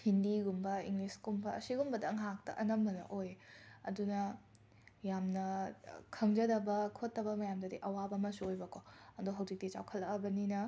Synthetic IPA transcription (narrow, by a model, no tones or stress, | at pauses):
hindiɡumbɐiŋlisɡumbɐɐsiɡumbɐdɐŋɦak̚tɐ̰ʔɐnɐmbɐnɐ̰ʔojɐ̰dunɐ | jamnɐkʰɐŋd͡ʒɐdɐbɐkʰotːɐbɐmɐjamdɐdiʔɐwabɐmɐsuojbɐkʰoɐdoɦɐwd͡ʒik̚dit͡ʃa̰wkʰɐlːɐɐbɐninɐ